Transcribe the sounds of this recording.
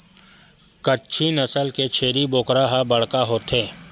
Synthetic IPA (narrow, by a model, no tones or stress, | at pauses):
kətːʃʰinɐsəlket͡ʃʰeːɾiboːkɾaːɦabɐɽ̤kaɦoːt̪ʰeː